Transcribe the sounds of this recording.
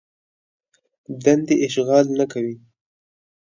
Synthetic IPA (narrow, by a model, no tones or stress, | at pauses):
d̪and̪eʔɪʃɣɑlnakawi